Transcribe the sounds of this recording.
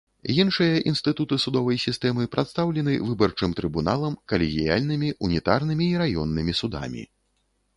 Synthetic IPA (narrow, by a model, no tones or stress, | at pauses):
jinʂɨjɐʔinst̪ɨt̪ut̪ɨsud̪ɔvɐjsʲist̪ɛmɨpɾʔat̪st̪awlʲɛnɨvɨbɐrt͡ʂɨmt̪ɾɨbunalˠɐmkɐlʲɛɣʲija̰lʲnɨmʲiʔunʲit̪arnɨmʲiːɾajɔnːɨmʲisud̪a̰mʲḭ